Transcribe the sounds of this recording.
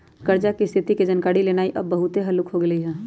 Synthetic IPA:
kəɾd͡ʒakist̪ʰɪt̪iked͡ʒɐnkaːɽileːnaːiʔɐbːɐɦʊt̪eɦɐlʊkɦoɡɐliɦɛː

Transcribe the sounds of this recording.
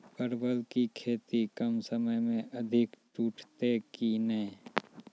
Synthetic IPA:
pəɾbəlkikʰeːt̪ikəmsəməjmẽʔɐd̪ʱɪkt͡ʃuːʈʰt̪ekineː

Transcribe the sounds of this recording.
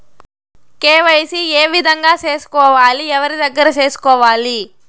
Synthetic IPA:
keːʋɐjsieːʋid̪ʱɐŋɡaːt͡ʃe̞ːsu̥kɔːʋaːliɛʋɐɾid̪ɐɡːɐɾɐt͡ʃe̞ːsu̥kɔːʋaːli

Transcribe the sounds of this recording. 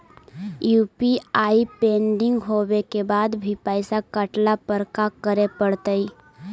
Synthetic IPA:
juːpiaːipẽːɳɖɪ̃ŋɡɦoːwekebaːd̪bʱipəɪsakəʈlapəɾkakəɾepəɽt̪əi

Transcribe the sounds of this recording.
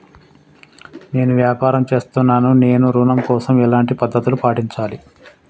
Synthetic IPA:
ne̞ːnuʋjaːpaːɾɐmt͡ʃe̞ːst̪unːaːnune̞ːnuɾuːnɐmkɔːsɐmɛlaːɳʈipɐd̪ʱːɐt̪ulupaːʈiɲt͡ʃaːli

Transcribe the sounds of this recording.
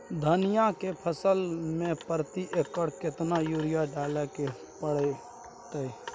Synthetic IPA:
d̪ʱənijakepʰəsəlmẽpəɾt̪iʔekːəɽket̪najuɾijaɖaleke | pəɽe | t̪əj

